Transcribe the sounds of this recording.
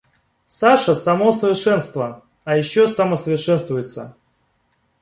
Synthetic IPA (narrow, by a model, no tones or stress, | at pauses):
saʂəsɐmosəvʲɪrʂɛnst̪və | ajɪɕːosəməsəvʲɪrʂɛnst̪vʊjɪt̪sə̰